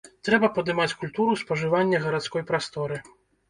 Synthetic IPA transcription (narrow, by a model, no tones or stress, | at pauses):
t̪ɾɛbɐpɐd̪ɨmat͡sʲkulʲt̪uɾuspɐʐɨvanʲːɛɣɐɾat̪skɔjpɾast̪ɔɾɨ